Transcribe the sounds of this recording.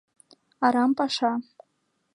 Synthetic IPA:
aɾampʼaʂa

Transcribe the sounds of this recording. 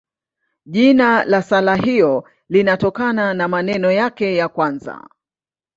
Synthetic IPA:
ʄinalasalaɦijɔ | linatɔkananamanɛnɔjakɛjakwanza̰

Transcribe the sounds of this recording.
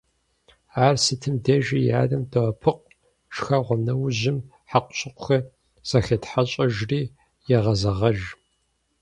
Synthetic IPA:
aːrsɨtʰɨmdɐʒija̰ːdɐmdɐʁɐpʰɨq̚ | ʃxɐʁʷɔnɐwʑɪm | ħaqʷʊɕʼɪqʷʊxɐ | z̥ɐxɐtħaɕʼɐʒriː | jɛʁɐzɐʁɐʒ

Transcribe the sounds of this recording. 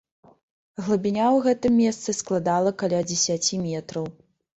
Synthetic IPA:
ɣlˠɐbʲinʲawɣɛt̪ɨmʲːɛst̪sɨsklˠad̪alˠɐkalʲad͡zʲɛsʲat͡sʲimʲɛt̪ɾɐw

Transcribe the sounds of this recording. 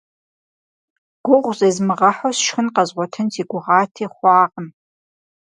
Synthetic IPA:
ɡ̥ʷʊʁʷzezmɨʁɐħosʃxɨnqɑzʁʷɔtʰɨntʰiːɡʷʊʁɑːtʰiːχʷɑːʁən

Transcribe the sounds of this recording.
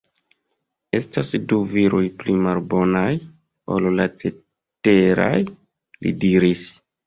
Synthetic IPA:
e̞stasduviɾʔojplimalbo̞naj | o̰llat͡se | te̞ɾa̰j | lḭdiɾis

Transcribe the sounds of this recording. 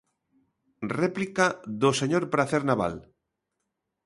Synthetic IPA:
replikaðoseɲoɾpɾaθeɾnaβa̰l

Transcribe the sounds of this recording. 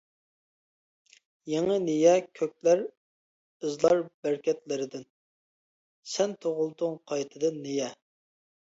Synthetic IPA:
jeŋənejɛkʲʰøk̚ʲlæɾ | ɨzlˠɑɾbæɾkʲɛt̪lɪɾɪd̪ɪn | sɛnt̪ʰoʁʊlˠd̪ʊŋqʰɑjt̪ʰɨd̪ɨnːejɛ

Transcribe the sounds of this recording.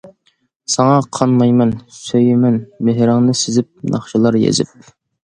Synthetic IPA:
sɑŋɑqʰɑnmɑjmɛnsøjɪmɛnmeɦɾɪŋnɨsɪzɪp̚nʔɑ̰χʃɨlˠɑɾjḛzɪ̰p̚

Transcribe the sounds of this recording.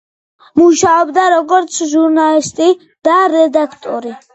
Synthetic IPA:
muʃaɔbd̪aɾɔɡɔɾt̪sʰʒuɾnalist̪ʼi | d̪̥aɾɛd̪akʰt̪ʼɔɾi

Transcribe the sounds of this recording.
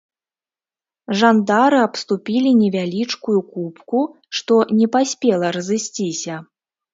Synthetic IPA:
ʐand̪aɾɨapst̪upʲilʲinʲɛvʲalʲit͡ʂkujukupku | ʂt̪ɔnʲɛpasʲpʲɛlˠɐɾɐzɨsʲt͡sʲisʲɐ

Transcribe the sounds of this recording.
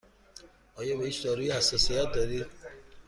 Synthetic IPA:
ɒːjɒbeiːt͡ʃd̪ɒɾuːjihæsːɒːsijæt̪̚d̪ɒɾid̪

